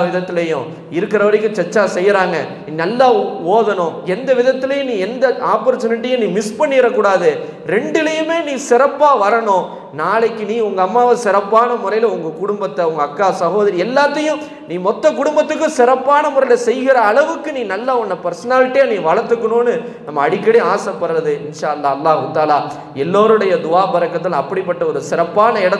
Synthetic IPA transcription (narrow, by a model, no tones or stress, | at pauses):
ʋɪðɐt̪ːɪlɐjʊ̰̃ | ɪɾɯkːɪɾɐʋɐɾɪkːɯ̃t͡ʃɛt͡ʃːaːsɛjːɾaːŋɡɐninɐlːaːoːðɐnʊ̃ɛnd̪ɐʋɪðɐt̪ːɪlɐjʊ̃nĩːɛnd̪ɐʔaːpɐɾt͡ʃːɐnɪʈːɪjʊ̃nĩːmɪspɐɳːɪɪɾɐkːuːɽaːðɯ | ɾɛɳɖɪlɐjɯmeːnĩːsɪɾɐpːaːʋɐɾɐɳʊ̃ | naːɭɐkːɯniːʊŋɡɐɐmːaːʋɐsɪɾɐpːaːnɐmʊɾɐjɪlɐʊŋɡɐkʊɽʊmbɐt̪ːɐʊŋɡɐːkːaːsɐɣoːðɐɾɪɛlːaːt̪ːɐjʊ̃ | niːmɔt̪ːɐk̬ʊɽʊmbɐt̪ːɯkːʊ̃sɪɾɐpːaːnɐmʊɾɐjɪlɐsɛjɣɪɾɐːɭɐʋɯkːɯnĩːnɐlːɐɔnːɐpɛɾsɐnaːlɪʈːɪjaːnĩːʋɐɻɐɾt̪ːɯkːɐɳõːnːɯ | nɐmːɐːɽɪkːɐɽɪjaːsɐpːɐɾːɐðɯɪnʂaːɐlːaːɐlːaːɦɯt̪aːlaː | ɛlːoːɾɯɽɐjɐd̪ʊaːbɐɾɐkːɐt̪ːɪlɐ̃ɐpːɐɽipːɐʈːɐɔɾɯsɪɾɐpːaːnɐɪɽɐ